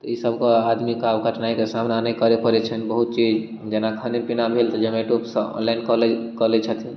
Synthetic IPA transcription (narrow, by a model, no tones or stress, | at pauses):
t̪ɔisəbkead̪mikabɡʱəʈʰnaikesamnanəjkəɾepəɾet͡ʃʰənibəɦut̪̚t͡ʃid͡ʒ | d͡ʒenakʰənipinabʱelt̪ɔd͡ʒemeʈupsəɔ̰nlainkəlɛkəlet͡ʃʰət̪i